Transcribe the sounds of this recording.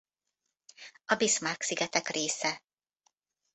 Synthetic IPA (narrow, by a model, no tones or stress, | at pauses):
ɒbismaːksiɡɛt̪ɛkreːsɛ